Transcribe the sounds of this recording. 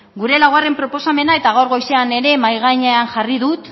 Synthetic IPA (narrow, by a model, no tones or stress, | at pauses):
ɡuɾe̞laɣware̞mpɾo̞po̞same̞nae̞t̪aɣawɾɣo̞jseane̞ɾe̞majɣ̞aɲeanʝariðut̪